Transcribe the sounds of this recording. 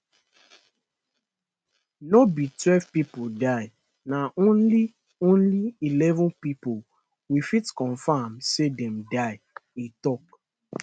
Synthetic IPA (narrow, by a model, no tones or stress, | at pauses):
nobitwɛlvpipodaɪ | naʔõnli | õnliilɛvɔ̃npipo | wifitkɔ̃nfãmsedɛ̃mdaɪ | itɔk